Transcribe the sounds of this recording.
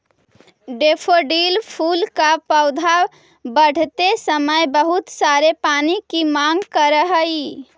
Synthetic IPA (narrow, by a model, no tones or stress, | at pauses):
ɖeːpʰoɖiːlpʰuːlkapəʊd̪ʱa | bəɽ̤t̪esəməjbəɦʊt̪saːɾepaːnikimãːŋɡkəɾəɦəi